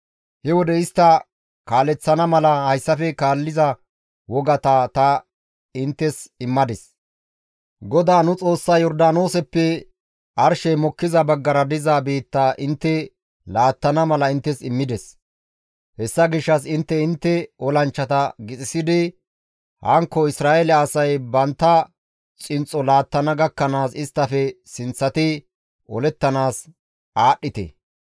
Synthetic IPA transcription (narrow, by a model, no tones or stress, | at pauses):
hɛwɔd̪ɛɪst̪ːɐ | kaːlɛt͡sːɐnɐmɐlɐhɐjsːɐfɛkaːlːɪzɐ | wɔɡɐt̪ɐt̪ɐ | ɪnt̪ːɛsɪmːɐd̪ɛs | ɡɔd̪aːnʊt͡sʼo̞ːsːɐjɔɾd̪aːno̞ːsɛpːɛ | ʔɐɾʃɛmɔkːɪzɐbɐɡːɐɾɐd̪ɪzaːbeːt̪ːaːʔɪnt̪ːɛ | laːt̪ːɐnɐmɐlɐɪnt̪ːɛsɪmːɪd̪ɛs | hɛsːɐɡɪʃːɐsɪnt̪ːɛɪnt̪ːɛɔlɐnt͡ʃːɐt̪ɐɡɪt͡sʼɪsɪd̪ɪ | hɐŋkːɔɪsɾaːʔelɪːsɐjbɐnt̪ːɐ | t͡sʼɪnt͡sʼɔlaːt̪ːɐnɐɡɐkːɐnaːsɪst̪ːɐfɛsɪnt͡sːɐt̪ɪ | ʔɔlɛt̪ːɐnaːs | ʔaːɗːɪt̪ɛ̰